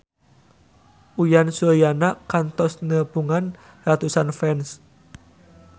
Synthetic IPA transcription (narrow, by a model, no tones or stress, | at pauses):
ʔujansuəjanakant̪ɔsnəbuŋan | rat̪usanfɛns